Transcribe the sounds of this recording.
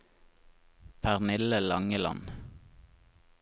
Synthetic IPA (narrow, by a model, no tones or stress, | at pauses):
pʰæʁnɪləlɑŋəlɑ̰n